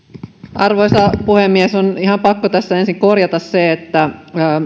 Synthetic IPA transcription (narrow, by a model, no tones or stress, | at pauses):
ɑrʋojsɑpuhemːiesoniɦhɑmpɑkːot̪æsːæensiŋko̞rjɑt̪ɑsseet̪ːæː